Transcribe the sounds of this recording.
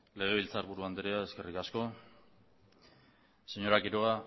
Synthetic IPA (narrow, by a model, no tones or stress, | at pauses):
le̞ɣ̞e̞βilt͡saɾβuɾuand̪eɾeae̞ske̞rikasko̞ | se̞ɲo̞ɾakiɾoa